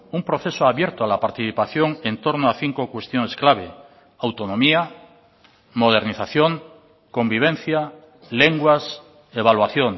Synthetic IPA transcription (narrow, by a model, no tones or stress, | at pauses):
umpɾo̞θesoaβjeɾt̪oalapaɾt̪iθipaθjo̞ŋẽnt̪o̞ɾnoaθiŋkokwe̞st̪jone̞sklaβ̞e | awt̪onõmia | mo̞ð̞e̞ɾniθaθjoŋ | ko̞mbiβ̞ẽnθja | leŋɡwas | eβalwaθjoŋ